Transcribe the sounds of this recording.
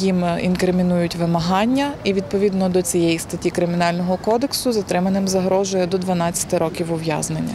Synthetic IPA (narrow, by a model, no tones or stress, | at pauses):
jimḭnkɾɪmʲinujʊtʲʋɪmɐɦɑnʲːɐiʋʲid̪̚pɔʋʲid̪nɔd̪ɔt͡sʲijɛjist̪ɐtʲikɾɪmʲɪnɑlʲnɔɦɔkɔd̪eksʊzɐt̪ɾɪmɐnɪmzɐɦɾɔʒʊjɛd̪ɔd̪ʋɐnɑt͡st͡sʲːɐ̥t̪ɪɾɔkʲiwʊʋjɑ̰znenʲːɐ̰